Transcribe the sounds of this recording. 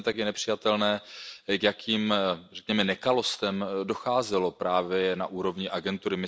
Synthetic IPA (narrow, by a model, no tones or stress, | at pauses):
ɛt̪akjɛnɛpr̥ɪjat̪ɛlnɛːkjakʰiːmrɛkɲɛmɛnɛkalo̞st̪ɛmdo̞xaːzɛlo̞pɾaːvjɛna̰ʔuːɾo̞vɲɪʔaɡɛnt̪uɾɪmɪ